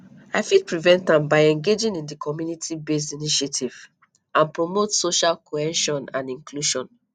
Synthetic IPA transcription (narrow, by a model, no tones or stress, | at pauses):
aɪfid̚pɹivɛ̃ntãmbaɪɛ̃ŋɡed͡ʒĩnĩndikʰɔmjunitʰibes̬tiniʃetʰiv̥ | ãnpɹomotsoʃalkʰoɛ̃nʃɔ̃nã̰nĩŋkʰluʃɔ̃n